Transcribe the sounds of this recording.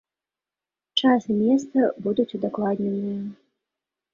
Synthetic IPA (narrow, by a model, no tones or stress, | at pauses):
t͡ʂasɨmʲɛst̪sɐbud̪ut͡sʲud̪aklˠad̪ʲnʲɛnɨjɐ